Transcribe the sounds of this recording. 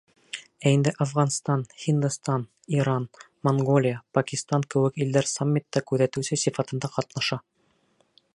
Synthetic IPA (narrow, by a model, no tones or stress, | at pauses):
æind̪ɘʔɑfʁɑnst̪ɑnχind̪ust̪ɑn | iɾɑn | moŋɡolʲijəpɐkʲist̪ɑŋkɘ̆wɘkild̪æɾsamʲːit̪ːɑkʉðæt̪ʉsɘsifɑt̪ɤ̆nd̪ɑqɑt̪nɑʃɑ